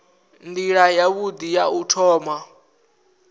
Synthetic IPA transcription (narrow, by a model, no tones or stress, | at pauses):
ndiɺajaβud̪ijautʰɔːma